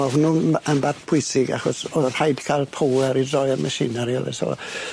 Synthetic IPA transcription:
ɔhunːuːənbadpʰʊɨsɪɡa̰χɔsɔnhajd̥kʰalˠpʰowɛɾidrɔjəmʔasɪ̰naɾiɔ̰lˠɛ̰sɔ̰

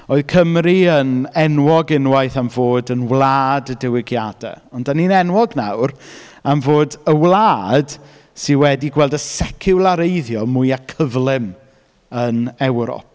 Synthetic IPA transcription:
oːɨðkʰəmriənɛnwɔɡɪnwajθamvoːdənwlˠaːdədɪwɪɡjadɛ̰ | ɔndaninɛnwɔɡna̰wr | amvoːdəwlˠaːd̥ | sɪnwɛdiɡwɛlˠdəsɛkʰɪwlˠaɾejðjɔmʊɨjakʰəvlˠɪm | ənɛwɾɔ̰p̚

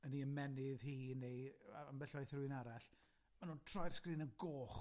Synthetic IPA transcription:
əniəmɛnɪðhiːnejambɛɬajθruɨnaɾaɬ | manuːntʰrɔjr̥skriːnəɡoːχ

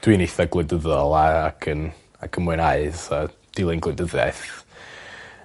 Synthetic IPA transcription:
d̥winiθaɡlˠɪndəðɔlˠaːkʰən | a̰kʰənmʊɨnaɨsa | d̥ɪlˠɨnɡlˠɨndəðɛ̰θ

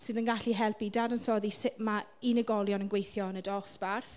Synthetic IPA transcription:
sɨðənɡaɬiɦɛlˠpidadənsɔːðisɪma | inəɡɔlˠjɔnənɡwejθjɔnədɔsb̥arθ

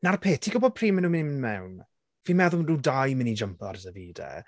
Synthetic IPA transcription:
narpʰeːtʰiɡʊbɔd̥̚pʰriːmənuːmɪnimənmɛwn | v̥imɛðʊduːdajmɪnid͡ʒəmpʰˠarzəviːdɛ̰

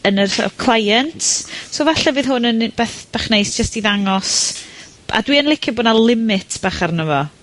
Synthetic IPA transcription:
ənərsɔ̰kʰl̥ˠajɛntʰsoːvaɬɛvɨðɦʊnənb̥ɛːθb̥aχnejsd͡ʒ̥əstiðaŋɔs | a̰dwiənlˠɪkʰɪbɔdnalˠɪmɪtʰb̥aχarnəvɔ

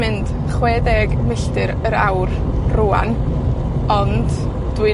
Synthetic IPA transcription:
ɪnd̥ | χwɛːdɛɡmɪɬtɨɾəɾa̰wr | ruːa̰n | ɔnd | d̥wi

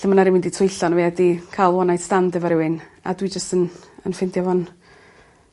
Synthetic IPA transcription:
əmənaɾɪmɪnditʰʊjɬɔnvɛadikʰajlˠwɔnajdstandəvəɾɪwɪna̰dwid͡ʒəstənənfɪndjɔvɔn

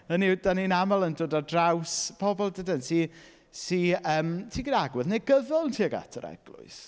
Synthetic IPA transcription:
ənid̥aninamalˠəndoːdadrawspʰɔbɔlˠdədənsi | siəːmtʰiːɡidaɡwɨðnejɡəvəlˠntʰiːəɡa̰tʰəɾɛ̰ɡ̥lˠʊ̰ɨs

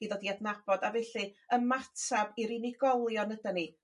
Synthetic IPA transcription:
iðɔdiadnab̥ɔdavɛɬɨəmatʰabiɾiniɡɔlˠjɔnədani

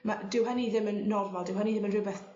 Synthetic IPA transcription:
madɪwɦɛniðɪmənːɔrmalˠdɪwɦɛniðɪmənrɪbɛθ

